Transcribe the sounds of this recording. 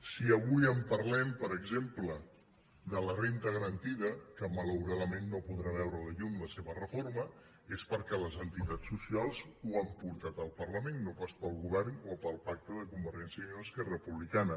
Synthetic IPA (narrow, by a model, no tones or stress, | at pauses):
siəβujəmpərlɛmpəɾəɡzemplə | ðələrent̪əɣəɾənt̪iðəkəmələwɾaðəmenːopuðɾaβ̞ɛwɾələʎumləseβ̞ərəfoɾmə | espəɾkɛləzənt̪it̪at͡sːusialˠzuampuɾt̪at̪əlˠpərləmenːopaspəlˠɣuβɛrnopəlˠpak̚t̪əðəkumbəɾʒɛnsjəəskɛrəpuβlikanə